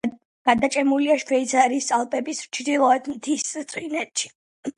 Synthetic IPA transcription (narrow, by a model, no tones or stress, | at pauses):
ɡ̥ad̪at͡ʃʼɛmuliaʃkʰvɛit̪sʰaɾist̪ʼalˠpʼɛbist͡ʃʰd̪ilˠɔɛd̪mt̪ʰist̪sʼwinɛt̪ʃi̥